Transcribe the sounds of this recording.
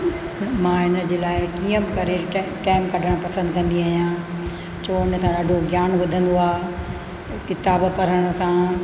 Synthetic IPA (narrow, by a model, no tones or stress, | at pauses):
mãːɦɪnə̆d͡ʑeːlaːɪkiːə̃bɪkɐɾeʈaːɪmkɐɖʱəɽ̃pɐsə̃nd̪kɐ̃nd̪iaːɦijã | t͡ɕʰoːɪnəsãɗaːɖʱoɡjaːnʋɐd̪ʱə̃nd̪oaː | kɪt̪aːbpɐɾəɽ̃əsã